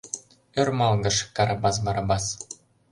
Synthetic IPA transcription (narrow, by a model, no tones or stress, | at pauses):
ørmɑlˠɡɤ̆ʃkɑɾɑbɑs̬mɑɾɑbɑs